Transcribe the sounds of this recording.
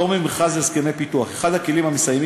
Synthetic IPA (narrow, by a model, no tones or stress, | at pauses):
omimχazezkemejpit̪uaχeχadhakelimhamesajmi